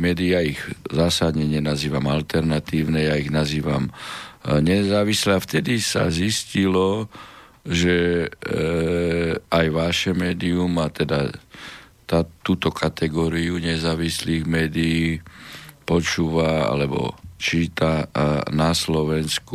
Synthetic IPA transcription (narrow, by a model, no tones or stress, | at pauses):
mɛːd̪iaiɣzaːsad̪ɲɛɲɛnaziːʋamalt̪ɛɾnat̪iːʊnɛjaiɣnaziːʋa̰m | ɲɛzaːʋislɛaft̪ɛd̪isa̰ziscilɔ | ʒɛ | ajʋaʃɛmɛːd̪iumat̪ɛd̪a | t̪at̪uːt̪ɔkʰat̪ɛɡɔːɾiuɲɛzaːʋisliːɣmɛːd̪ijiː | pɔt͡ʃuːʋaa̰lɛbɔ̰t͡ʃiːt̪anaslɔʋɛnsku